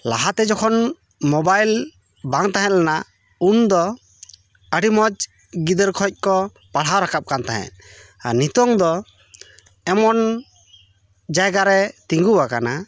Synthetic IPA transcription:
la̰ɦat̪ɛd͡ʒɔkʰɔn | mɔbajl | baŋt̪aɦɛ̃t̪̚lɛna | und̪ɔ | əɖimɔd͡ʒ | ɡid̪əɾkʰɔc̚ˀkɔ | paɽ̤ɦawɾakap̚kant̪aɦɛ̰̃t̪̚ | a̰nit̪ɔŋd̪ɔ | ɛmɔn | d͡ʒajɡaɾɛt̪iŋɡuwakana

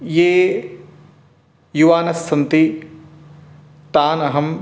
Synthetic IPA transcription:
jeː | juʋaːnɐsːɐnt̪i | t̪aːnɐɦɐm

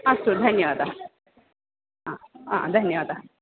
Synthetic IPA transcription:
ɐst̪od̪ʱɐnjəʋad̪a | ɦãɦã̰d̪ʱənjəʋad̪a

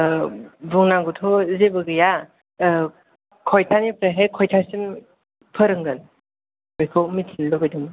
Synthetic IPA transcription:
buŋnaŋɡutʰɔzebɯɡɯja | kʰɔjtʰanipʰɾeɦejkʰɔjtʰasim | pʰəɾɯŋɡɯn | ɔjkʰowmitʰinlɔbajdɯŋɯ

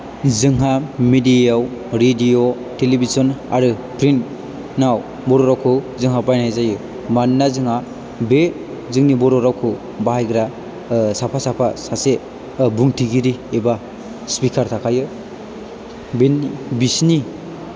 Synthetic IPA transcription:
zɯŋɦamedijawɾedijo | telibizɔna̰ɾɯ | pɾint | naw | bɔɾɔɾawkʰɯ | zɯŋɦapajnajzajɯ | manːazɯŋa | be | zɯŋnibɔɾɔɾawkʰɯ | baɦajɡɾa | sapʰasapʰasase | buŋtʰiɡiɾieba | spikʰaɾtʰakʰajɯ | benibisni

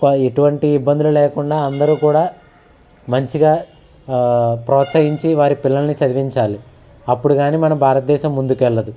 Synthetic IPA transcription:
keʈuʋɐɳʈiːbːɐnd̪ululɛːkuɳɖaːɐnd̪ɐɾuːkuːɽaː | mɐɲt͡ʃiɡaː | pɾɔːt̪sɐɦiɲt͡ʃiʋaːɾipilːɐlɐnit͡ʃɐd̪iʋiɲt͡ʃaːli | ɐpːuɽuɡaːniːmɐnɐmbʱaːɾɐt̪ɐd̪ɛːʃɐmːund̪ukʋɛlːɐd̪u

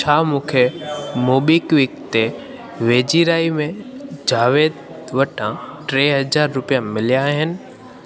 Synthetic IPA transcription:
t͡ʃʰaːmũːkʰemoːɓikʋɪkt̪e | ʋeːd͡ʑiɾaːimẽd͡ʑaːʋeːd̪̚ | ʋɐʈʰãʈɾeːɦɐzaːɾːʊpijamɪlijaɦɪnɪ̆

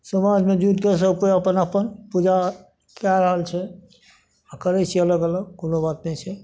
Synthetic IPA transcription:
səmad͡ʒmed͡ʒuʈ̪kes̬əbkeəpənəpənpud͡ʒa | kaɾəɦəlt͡ʃʰɛ | akəɾɛt͡ʃʰɛələɡələɡkonobat̪nɛt͡ʃʰɛ

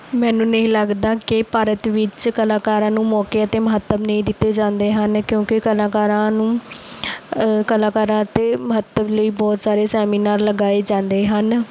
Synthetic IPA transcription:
mɛːnũːnəĩːləɡd̪aːkɪpaːɾət̪ʋɪt͡ʃkəlaːkaːɾãːnũːmɔːkeːət̪eːməɦət̪ːəbnəĩːd̪ɪt̪ːeːd͡ʒãːnd̪eːɦənkjõːkɪkəlaːkaːɾãːnũː | kəlaːkaːɾãːt̪eːməɦət̪ːəbləiːbɔːt̪saːɾeːsɛːmiːnaːɾləɡaːeːd͡ʒãːnd̪eːɦən

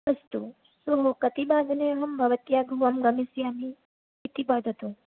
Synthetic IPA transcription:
ɐst̪u | suɦokɐt̪ibaːd̪neɦɐmbɐʋət̪jaːɡʱuʋɐmɡɐmisjaːmi | it̪ibad̪ʱɐt̪ũ

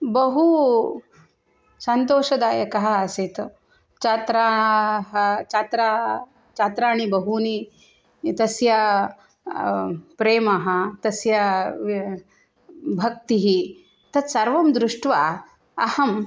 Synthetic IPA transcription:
bɐɦu | sɐnt̪oːʃɐd̪aːjɐkɐɦɐ̆ɐsit̪ | t͡ʃat̪ɾaːɦɐt͡ʃaːt̪ɾaː | t͡ʃat̪ɾaːɳibɐɦuni | t̪ɐsjɐ | pɾeːmɐɦɐ̆t̪ɐsjɐ | bʱɐk̚t̪iɦi | t̪ɐt̪sɐɾʋɐmd̪ɾuʂʈʋaː | ɐhɐm

